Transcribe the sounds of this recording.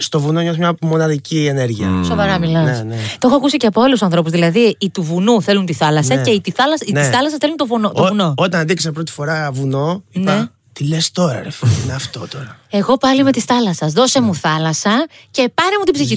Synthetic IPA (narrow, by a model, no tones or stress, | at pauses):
st̪o̞vunoɲosmɲɐmo̞nɐðicieneɾʝiɐ̰so̞vɐɾɐmilɐsnet̪o̞xoɐkusiceɐpoolusɐnθɾo̞puzðilɐðiːt̪uvunuθe̞lunt̪iθɐlɐsɐceit̪iθɐlɐsiniisθɐlɐs̬ɐsθelunt̪ovunot̪ovuno̞ot̪ɐnɐd̪iksepɾo̞t̪i̥fo̞ɾɐvuno̞inpɐe | t̪ilest̪o̞ɾɐ̰ɾefoineɐft̪o̞t̪o̞ɾɐe̞ɣo̞pɐlime̞t̪isθɐlɐsɐzðo̞semuθɐlɐsɐ | ce̞pɐnemut̪ibziçi